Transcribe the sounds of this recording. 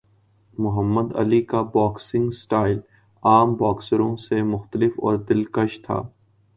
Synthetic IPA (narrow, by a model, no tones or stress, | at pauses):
mʊɦəmːəd̪ɐ̰likabɔːksɪ̃ŋɡsʈaːɪl | aːmbɔːksəɾõsemʊxt̪əlɪfɔ̰ːɾd̪ɪlkəʃt̪ʰa̰ː